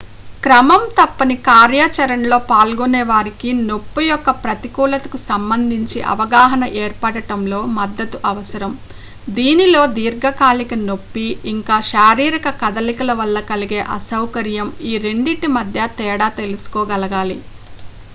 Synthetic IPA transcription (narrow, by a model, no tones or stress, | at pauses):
kɾɐmɐmt̪ɐpːɐnikaːɾjaːt͡ʃɐɾɐnlo̞ːpaːlɡunɛːʋaːɾikino̞pːujɔkːɐpɾɐt̪ikuːlɐt̪ɐ̥kusɐmbɐnd̪ʱiɲt͡ʃiʔɐ̰ʋɐɡaːɦɐnɐʔɛːɾpɐʈɐʈɐmlo̞ːmɐd̪ːɐt̪uʔɐʋɐsɐɾɐm | d̪iːnilo̞ːd̪iːɾɡɐkaːlikɐno̞pːiːŋkaːʃaːɾiːɾɐkɐkɐd̪ɐlikɐlɐʋɐlːɐkɐliɡe̞ːʔɐsɐwkɐɾjɐmiːɾe̞ɳɖiʈimɐd̪ʱjɐt̪ɛːɽaːt̪e̞lusu̥kɔːɡɐlɐɡaːli